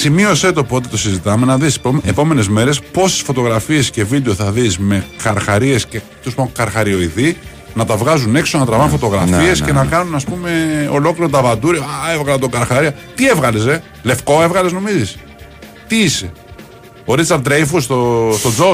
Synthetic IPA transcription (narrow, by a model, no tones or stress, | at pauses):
simio̞se̞t̪o̞pot̪̬it̪o̞sizit̪ɐme̞nɐðispomepo̞me̞ne̞zme̞ɾe̞spo̞sesfo̞t̪o̞ɣɾɐfie̞scevid̪eoθɐðisme̞kɐɾxɐɾie̞sce | t̪ospoŋkɐɾxɐɾio̞iði | nɐt̪ɐvɣɐzune̞ksonɐt̪ɾɐvɐnfot̪o̞ɣɾɐ̰fie̞sce̞nɐkɐnunɐspume̞o̞̰lo̞kliɾot̪ɐvɐd̪uɾioevɣɐlɐt̪oɡɐɾxɐɾiɐt̪ievɣɐlese | le̞fko̞e̞vɣɐlezno̞mizis | t̪iise̞ | oɾit͡sɐɾd̪ɾejfust̪ost̪o̞d͡zo